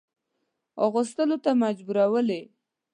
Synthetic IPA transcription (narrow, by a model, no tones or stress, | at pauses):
oɣʊst̪əlot̪amad͡ʒbuɾawəle